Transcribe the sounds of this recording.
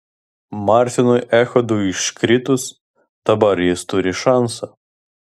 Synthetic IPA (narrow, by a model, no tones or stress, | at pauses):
mɑɾʲt̪ʲɪnʊjɛxɔd̪ʊiʃkɾʲɪt̪ʊs | d̪̥ɐbɐɾjɪst̪ʊɾʲɪʃɑnsɐ